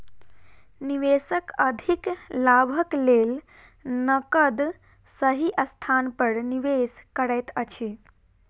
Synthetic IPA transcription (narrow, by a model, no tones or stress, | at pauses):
niʋesəkəd̪ʱiklabʱəklel | nəkəd̪ | səɦiʔəst̪ʰanpəɾniʋeskəɾəjt̪ət͡ʃʰi